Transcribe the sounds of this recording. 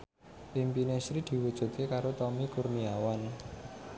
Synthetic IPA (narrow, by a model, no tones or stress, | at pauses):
pimpinesɾid̪̥i̤wud̥ʒ̥ṳt̪̚kekaɾot̪ɔmikurniawan